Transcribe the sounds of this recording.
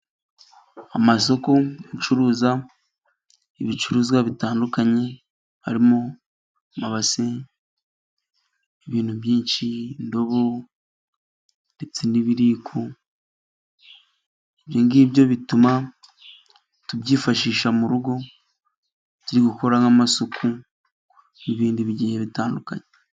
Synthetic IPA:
amaso̞ko̞ut͡ʃuɾuːza | iβit͡ʃuɾuːzɡwaβitaːndukaɲe̞ | ha̰ɾimo | maβase | βiːn̥huβjiːnʃindo̞βo | ndet͡seniβiɾiːkʰu | eβjoŋɡiːbjo̞βituma | tubɟiːfaʃiːʃamuɾuɡo̞ | ciɾiɡuko̞ɾaŋamasukʰu | niβiːndiβiɟiːɲeβitaːnduka̰ɲe

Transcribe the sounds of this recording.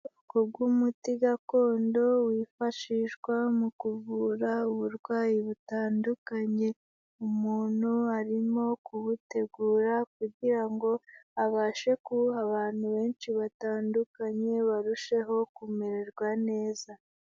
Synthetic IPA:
ukobɡwumutiɡako̞ːndo̞wiːfaʃiʃɡwamukuvuːɾauβuɾɡwaːjiβutaːndukaɲe̞ | umuːn̥huaɾimo̞kuβute̞ɡuːɾak̚uɟiɾaŋɡo̞aβaːʃe̞kuaβaːn̥huβe̞ːnʃiβataːndukaɲe̞βaɾuʃe̞ɦo̞kumeɾeɾɡwane̞ːza

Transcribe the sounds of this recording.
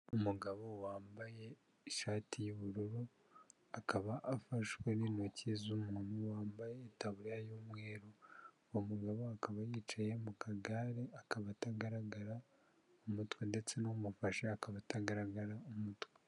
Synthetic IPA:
umuɡaβo̞waːmbaje̞ | ʃaːtijiβuɾuɾu | akaβaʔːfaʃweninocezumuːnuwaːmbajetaβuɾjajomwe̞ːɾo | omuɡaβoakaβajiːt͡ʃaje̞mukʰaɡaːɾeakaβataɡaɾaɡaɾa | omutwende̞t͡se̞nomufaʃeakaβataɡaɾaɡaɾaomutwe̥

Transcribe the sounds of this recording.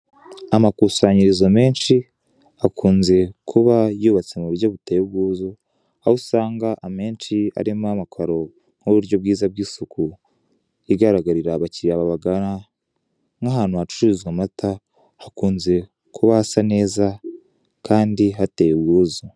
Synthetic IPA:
amakuːsaɲiɾizome̞ːnʃi | akʰuːnze̞kʰuβajuːβat͡se̞muβuɾɟoβutejuβɡuːzo | ausaːŋɡaʔame̞ːnʃia̰ɾimamakʰaɾo̞ | ŋ̥oβuɾɟo̞b̚ɡiːzab̚ɡiːsuku | iɡaɾaɡaɾiɾaβaciɾiaβaβaɡana | ŋɡaɦaːn̥huhat͡ʃu̥t͡ʃiɾizɡwamatʰa | hakuːnze̞ | kʰuβahasane̞ːza | kʰaːndiɦatejeɡɡuːzo

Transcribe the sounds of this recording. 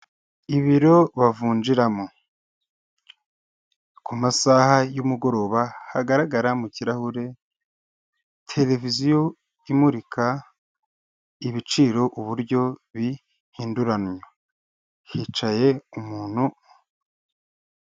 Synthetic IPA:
iβiɾo̞βavuːnd͡ʒiɾamo | kumasahajumuɡo̞ɾo̞βahaɡaɾaɡaɾamuciɾahuɾe̞ | tʰe̞le̞vizijo | imuɾikʰa | iβit͡ʃiːɾo̞ʔuβuɾɟo̞βi | hiːnduɾanɲo | hit͡ʃaje̞umuːn̥hu

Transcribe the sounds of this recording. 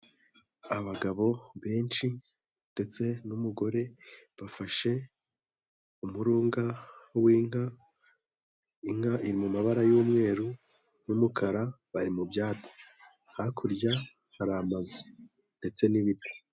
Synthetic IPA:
aβaɡaβo̞βe̞ːnʃi | nd̥e̞t͡se̞numuɡo̞ɾe̞βafaʃe̞ | umuɾuːŋɡawiːŋa | iŋhaʔiɾimumaβaɾajuːmŋe̞ːɾu | jumukʰaɾa | βaɾimubjaːt͡si̥ | hakʰuɾɟa | haɾamaze | nde̞t͡se̞niβiti̥

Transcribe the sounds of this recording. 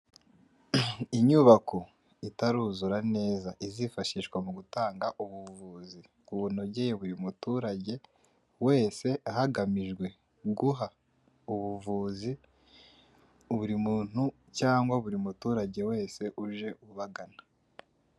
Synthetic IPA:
iɲuβakʰo̞ | itaɾuːzuɾane̞ːzaʔizifaʃiʃkwamuɡutaːŋɡaʔuβuvuːzi | kuβun̥o̞ɟe̞jeβuɾimutuːɾaɟe̞ | we̞ːse̞ʔahaɡamiʒɡwe̞ | ɡuɦa | uβuvuːzi | βuɾimuːn̥hu | caːŋɡwaβuɾimutuːɾaɟe̞we̞ːse̞ʔuʒe̞ʔuβaɡanḁ

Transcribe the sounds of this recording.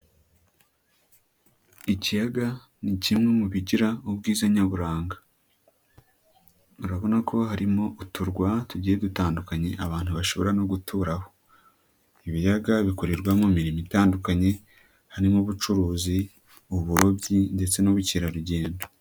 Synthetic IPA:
icijaɡa | nicimŋe̞muβiɟiɾaub̚ɡiːzaɲaβuɾaːŋɡḁ | uɾaβo̞nakʰo̞haɾimo̞ʔutuɾɡwatuɟiːje̞dutaːndukaɲe̞ʔaβaːn̥huβaʃo̞βo̞ɾano̞ɡutʰuɾaho̞ | iβijaɡaβikoɾeɾɡwamomiɾimitaːndukaɲe̞ | haɾimuβut͡ʃuɾuːzi | uβuɾobɟinde̞t͡se̞noβuciɾaɾuɟe̞ːndo

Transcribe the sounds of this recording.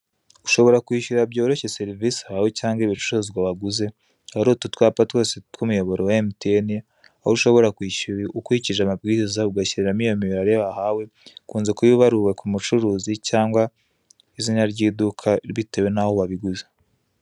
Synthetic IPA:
u̥ʃo̞βo̞ɾakwiːʃuɾabɟo̞ːɾo̞çe̞se̞ɾivisihawecaːŋɡiβit͡ʃu̥ɾozɡwaβaɡuze̞ | haɾotutwaːpatwo̞ːsetwumujo̞βo̞ɾe̞waemteeni | ahouʃo̞βo̞ɾakwiːʃuɾiukwiciʒamab̚ɡiːzizauɡaciɾeɾamijomiβɾaɾeβahawe̞kuːnze̞kujuβaɾuwe̞kʰumut͡ʃuɾuːzicaːŋɡwa | iziɲaɾɟiːdukʰaɾβitewe̞nahoβaβiɡuze

